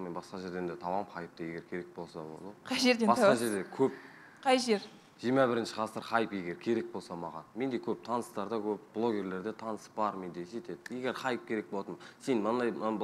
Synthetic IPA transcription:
menbɑsqɑʒe̞ɾd̪e̞nd̪et̪ʰɑwɑmχɑjəp̚t̪ɑje̞ɡʲe̞ɾkʲʰe̞ɾe̞k̚bo̞lˠsɑbo̰lˠd̪qʰɑjʒeɾd̪ebɑsqɑʒe̞ɾd̪e̞kʲʰɵp̚ | qʰɑjʒeɾ | ʒ̥iɾmɑbɪɾɪnʃɪ̥ʁʰɑsəɾχɑjəpjeɡʲe̞ɾkʲʰe̞ɾe̞k̚bo̞lˠsɑmɑʁɑ̰nme̞nd̪e̞kʲʰɵp̚t̪ʰɑnəst̪ɑɾd̪ɑkʲʰɵp̚b̥lˠo̞ɡʲe̞ɾle̞ɾd̪e̞t̪ʰɑnəsə̥pbɑɾme̞nd̪eese̞t̪e̞d̪je̞ɡʲe̞ɾχɑjəp̚kʲʰe̞ɾe̞k̚boɑt̪ənmsenmɑnd̪ɑj

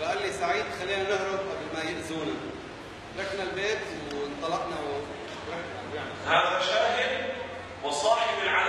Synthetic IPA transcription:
baʔalːisaʕiːd̪xalːiːnanɪhɾʊb̚ʔablmajɪʔzuːna | ɾaknalbeːt̪wnt̪ˤɑlɑʔnaw | ɾaknalbaʕnahaːðaʃaːhɪd̪ | wɑsˤɑːħɪbɪlʕa

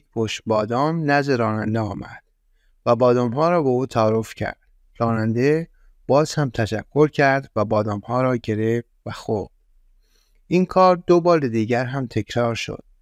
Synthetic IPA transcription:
pʰoʃbɒːd̪ɒːmnæzd̪eɾɒːnænd̪eɒːmæ̰d̪̥ | væbɒːd̪ɒːmhɒːɾɒːbeuːt̪ʰæːɾofcʰæ̰ɾd̪̥ | ɾɒːnænd̪e | b̥ɒːz̥hæmt̪ʰæʃækʰːo̞ɾcʰæɾd̪væbɒːd̪ɒːmhɒːɾɒːɟe̞ɾef | væxob̚ | ʔinkʰɒːɾd̪obɒːɾed̪iːɟæɾɦæmt̪ʰe̞cʰɾɒːɾʃo̰d̪̥̚

